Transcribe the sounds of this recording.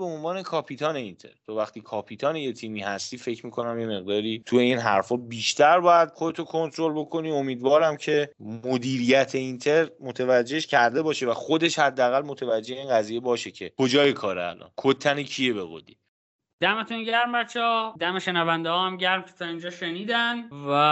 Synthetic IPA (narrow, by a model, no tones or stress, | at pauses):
beonvɒːne̞kʰɒpʰit̪ʰɒːne̞int̪ʰe̞̰ɾt̪ʰɒvæxt̪ʰiːkʰɒːpʰiːt̪ʰɒːneje̞t̪ʰiːmiːhæst̪iːfe̞cʰmiːkʰo̞næmje̞me̞ɣd̪ɒːɾiːt̪ʰuje̞iːnɦæɾfɒːbiːʃt̪ʰæɾbɒːjæd̪̥̚χod̪e̞t̪ʰokʰo̞nt̪ʰɾo̞lbo̞kʰo̞niːo̞miːd̪vɒːɾæmcʰe̞mod̪iːɾijæt̪ʰe̞int̪ʰeɾmo̞t̪ʰevæd͡ʒːeʃcʰæɾd̪e̞bɒːʃe̞væxo̞d̪e̞ʃhæd̪ːæːɣælmo̞t̪ʰevæd͡ʒːe̞heiːnɡæziːje̞bɒːʃe̞cʰekʰo̞d͡ʒɒːjekʰɒːɾḛæ̰lɒ̰ːnkʰot̪ʰːænicʰije̞beɣo̰d̪ḭː | d̪̥æmet̪ʰunɟæɾmbæt̪t͡ʃʰːeɔd̪æmeʃenævænd̪ehɒːhæmɟæɾmcʰe̥t̪ʰɒind͡ʒɒːʃeniːd̪ænvæ